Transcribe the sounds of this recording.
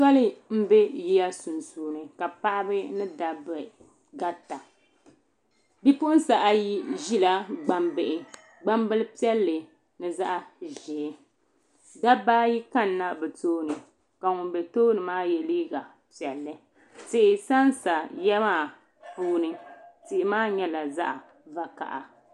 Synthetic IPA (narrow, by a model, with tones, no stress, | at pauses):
sa˦lɨ˦m̩˦bɛ˦ji˦ja˦su˨nsuː˨˦nɨ˨ka˨pa˦ʔa˦bɨ˦nɨ˦da˦bɨ˨ | ɡa˦ta˨ | bi˦pʊ˦ʔʊ˦n̩˦sa˨ʔa˦ji˦ʒi˦la˦ɡ͡ba˦mbɨ˨ʔɪ˨ | ɡ͡ba˦mbɨ˦lɨ˦pi˦ɛ˦lːɨ˨ | nɨ˦za˦ʔa˦ʒi˨˦ | da˦baː˦ji˦ka˦nːa˦bɨ˨toː˦nɨ˨ | ka˨ŋʊ˨bɛ˨toː˦nɨ˨maː˦jɛ˨liː˦ɡa˨ | pi˨ɛ˨lːɨ˨ | tɨ˦ʔɪ˨sa˦nsa˨jɛ˦maː˦˨ | puː˦nɨ˨tɨ˨ʔɪ˨maː˦ɲɛ˦la˨za̰˦ʔa˨ | va˨ka̰˨ʔa˨